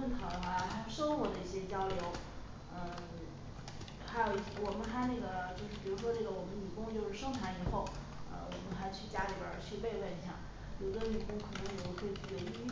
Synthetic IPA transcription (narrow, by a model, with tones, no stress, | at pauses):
ə˥˩nt̪ʰɑ˧˥d̪xa˧˥˩xa˧˥˧ʂɤ˥ŋxwɔ˧˥d̪ə˧i˥˩ɕjɛ˥t͡ɕjɑ˥ʊljo˧˥ʊ | ə˧ | xa˧˥ɪjo˨˩ʊi˥˩wɔ˨˩mə˦nxa˧˥ne˥˩ɡə˩t͡ɕjo˥˧ʊʂɻ̩˥˩pi˨˩ɻu˧˥ʂ̬wɔ˥ʈ͡ʂɤ˥˩ɡə˩wɔ˨˩mə˦ny˨˩kʊ˥ŋt͡ɕjo˥˧ʊʂɻ̩˥˩ʂɤ˥ŋʈ͡ʂʰa˧˥ni˨˩xo˥˩ʊ | ə̰˧wɔ˨˩mə˦nxa˧˥ɪt͡ɕʰy˥˩t͡ɕja˥li˧˥˩bjə̰˞˨˩t͡ɕʰy˥˧pe˥˧ɪle˥˩n˥ɕʰjɑ̰˥˩˦ŋ | jo˨˩ʊd̪ə˧˦ly˨˩kʊ˥ŋkʰɤ˨˩nə˧˥ŋjo˨˩o˧˩kʰwe˥˧ɪt͡ɕʰy˥˩˥ə˥˩˥